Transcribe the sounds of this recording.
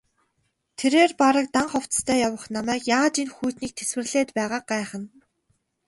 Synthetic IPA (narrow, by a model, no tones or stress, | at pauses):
t̪ʰeɾeːrpaɾə̆k̚t̪aɴχɔw̥t̪t̪ʰæːjawə̆χnamæːkjaːt͡ɕinxuːt̪niːk̚t̪ʰeswɘ̆rɮeːt̪pæːʁaːq̚ɢæːχə̆n